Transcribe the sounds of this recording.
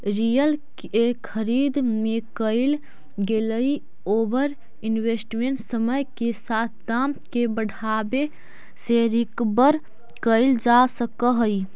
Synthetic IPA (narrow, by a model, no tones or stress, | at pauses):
ɾijəlk | ekʰəɾid̪mekəɪl | ɡeləj | obəɾ | inwesʈmeɳʈsəməjkesat̪̚ʰd̪amkebəɽʱabe | seɾikbəɾ | kəɪld͡ʒasəkəɦəj